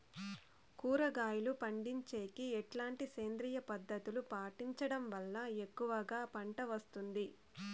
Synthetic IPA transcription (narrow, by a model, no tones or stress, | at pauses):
kuːɾɐɡaːjulupɐɳɖiɲt͡ʃeːkiɛʈlaːɳʈiseːnd̪ɾijɐpɐd̪ːɐt̪ulupaːʈiɲt͡ʃɐɽɐmʋɐlːɐekːuʋɐɡaːpɐɳʈɐʋɐst̪und̪i